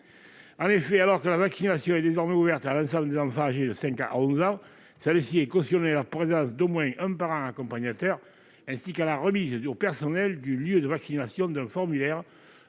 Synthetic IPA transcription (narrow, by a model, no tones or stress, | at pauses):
ɑ̃nefɛalɔʁkəlavaksinasjɔ̃ɛd̪ezɔʁmɛuvɛʁt̪alɑ̃sɑ̃bləd̪ezɑ̃fɑ̃aʒed̪əsɛ̃ŋkaa̰ɔ̃zɑ̃ | sɛləsiɛkɔstjɔnealapχezɑ̃sd̪omwɛ̃ʔɛ̃paʁɑ̃akɔ̃paɲat̪œʁ | ɛ̃sikalaʁəmizəopɛʁsɔnɛld̪yljød̪əvaksinasjɔ̃d̪ɛ̃fɔʁmylɛʁ